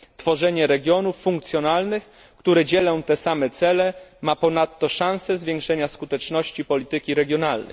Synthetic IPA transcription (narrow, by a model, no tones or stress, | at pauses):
t̪fɔʐɛɲɛɾɛɡʲjɔnufːuŋkt̪sʲjɔnalnɘx | kt̪uɾɛd͡ʑɛlɔ̃w̃t̪ɛsamɛt̪sɛlɛmapɔnat̪ːɔʂãw̃sɛzvʲjeŋkʂɛɲaskut̪ɛt͡ʂnɔɕt͡ɕipɔlʲit̪ɘkʲiɾɛɡʲjɔnalnɛ̰